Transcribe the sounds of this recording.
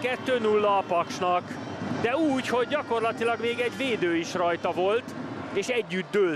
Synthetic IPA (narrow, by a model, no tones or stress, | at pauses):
kɛt̪ːøːnulːɒːpɒkʃnɒk | d̪ɛuːcho̞ɟːɒko̞rlɒt̪ilɒɡmeːɡɛɟveːd̪øːiʃrɒjt̪ɒvo̞lt̪eːʃɛɟːyd̪ːøː